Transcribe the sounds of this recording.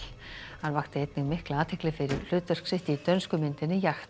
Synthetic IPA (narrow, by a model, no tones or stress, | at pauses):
laɾvaxt̪ɪejt̪nɪŋmɪhklaaːt̪ʰɪklɪfɪɾɪɾl̥ʏːt̪œr̥ksɪht̪ɪit̪œnskʏmɪnt̪ɪnːɪjaxt̪